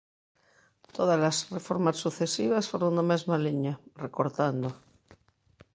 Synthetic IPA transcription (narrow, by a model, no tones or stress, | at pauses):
t̪oðazlasrefoɾmasːuθesiβasfoɾond̪amezmaliɲarekoɾt̪and̪o